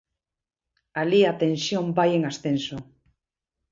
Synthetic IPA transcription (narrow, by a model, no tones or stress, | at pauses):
aliat̪ẽnsjõmbajeŋasθenso